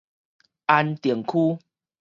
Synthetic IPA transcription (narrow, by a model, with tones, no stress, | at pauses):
a˧nt̪je˨˩ŋkʰu˦